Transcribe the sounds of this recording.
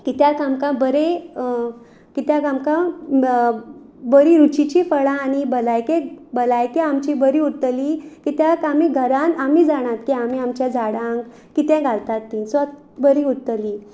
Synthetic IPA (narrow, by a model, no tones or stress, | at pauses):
kit̪jakamkãbəɾe | kit̪jakamkã | bəɾiɾut͡ɕit͡ɕifəɭãːnibəlajkebəlajkeamt͡ɕibəɾiut̪əlikit̪jakamiɡʱəɾanamid͡zaɽ̃ãt̪kiamiamt͡ɕjad͡zʱaɽãŋɡ | kit̪ɛ̃ɡʱaɭt̪at̪ːinsʋat̪̚ | bəɾiut̪əli